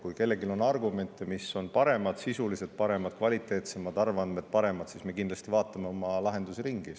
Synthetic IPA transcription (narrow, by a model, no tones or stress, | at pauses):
kujke̞lːe̞ɡilo̞nːɑrɡume̞nʲt̪ːˑemisːo̞npɑɾe̞mɑd̪̥sisuliset̪̚pɑɾe̞mɑd̪̥kvɑlʲit̪ːˑe̞ːt̪se̞mɑd̪ɑrvɑnd̪med̪̥pɑɾe̞mɑd̪̥sisme̞kind̪lɑst̪ivɑːt̪ːˑɑme̞o̞mɑlɑɦe̞nd̪useɾiŋɡ̥i